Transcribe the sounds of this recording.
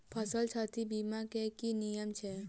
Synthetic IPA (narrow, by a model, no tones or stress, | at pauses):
pʰəsəlt͡ʃʰat̪ibimãkekinijəmt͡ʃʰe